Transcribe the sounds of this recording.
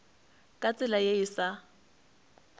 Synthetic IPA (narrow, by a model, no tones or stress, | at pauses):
kʼat͡sʼɪlajeɪsa